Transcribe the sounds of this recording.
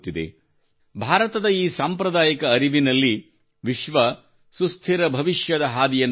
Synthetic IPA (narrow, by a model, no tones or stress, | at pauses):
t̪ːid̪ḛ | bʱaːɾɐt̪ɐd̪ɐiːsaːmpɾɐd̪aːjɐkɐːɾiʋinɐlːi | ʋiʃʋɐ | sust̪ʰiɾɐbʱɐʋiʃjɐd̪ɐɦaːd̪ijɐnː